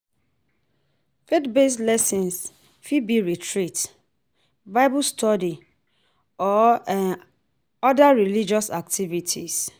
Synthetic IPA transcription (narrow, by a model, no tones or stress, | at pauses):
fetbeslɛsĩns | fibiɹitʰɹit | baɪbustɔdi | ɔ | ɔdaɹilid͡ʒɔsak̚tʰivitʰḭs